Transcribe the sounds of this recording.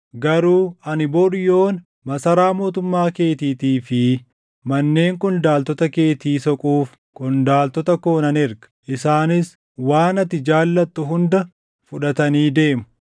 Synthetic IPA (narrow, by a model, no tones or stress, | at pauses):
ɡɐɾuːɐnɪboːɗjo̞ːn | mɐsɐɾaːmo̞ːt̪ʊmːaːke̞ːt̪iːt̪iːfɪ | mɐnːe̞ːŋkʼʊnd̪aːlt̪ɔt̪ɐke̞ːt̪iːsɔkʼuːf | kʼʊnd̪aːlt̪ɔt̪ɐko̞ːnɐnɪɾɡɐ̥ʔɪsaːnɪs | waːnɐt̪ːɪd͡ʒaːlːɐt̪ːʊɦʊnd̪ɐ | fʊᶑɐt̪ɐniːd̪e̞ːmʊ̥